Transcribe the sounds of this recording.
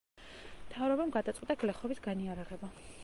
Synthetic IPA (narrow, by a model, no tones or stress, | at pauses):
mt̪ʰavɾɔbamɡad̪at̪sʼqʼwit̪ʼaɡlɛχɔbisɡaniaɾaʁɛba